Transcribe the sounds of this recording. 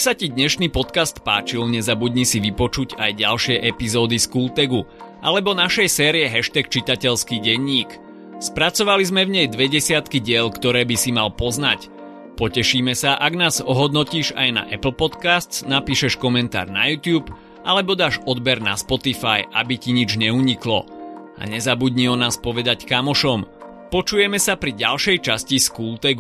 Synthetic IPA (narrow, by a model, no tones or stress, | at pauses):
sacid̪ɲɛʃniːpɔt̪kast̪paːt͡ʃilɲɛzabuɟɲisiʋipɔt͡ʃuɟajɟalʃɪɛʔɛpizɔːd̪iskuːlt̪ɛɡuʔa̰lɛbɔnaʃɛjsɛːɾiɛɦɛʃt̪ɛkt͡ʃit̪acɛʎskiːɟɛɲːiːk | spɾat͡sɔʋalizmɛvɲɛjd̪ʋɛɟɛsɪat̪kiɟɪɛʎkt̪ɔɾɛːbisimalpɔznac | pɔcɛʃiːmɛsaʔaɡnaːzɔɦɔd̪nɔciːʒa̰jna̰ʔɛpl̩pɔt̪kast̪t͡snapiːʃɛʃkɔmɛnt̪a̰ːɾna̰juːt̪juːp | ʔalɛbɔd̪aːʃɔd̪bɛɾna̰spɔt̪ifaja̰biciɲid͡ʒɲɛuːɲiklɔ̰a̰ɲɛzabuɟɲiɔnaːspɔʋɛd̪ackamɔʃɔm | pɔt͡ʃujɛmɛsapɾiɟalʃɛjt͡ʃasciskuːlt̪ɛɡ